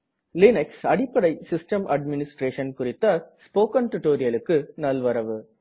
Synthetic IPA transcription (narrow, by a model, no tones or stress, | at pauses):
lɪnɐksɐɽɪpːɐɽɐɪsɪsʈɐmʔɐɖmɪnɪsʈɾeːʂɐnkʊrɪt̪ːɐspoːkɐnt̪ʊʈːoːɾɪjɐlɯkːɯnɐlʋɐɾɐʋɯ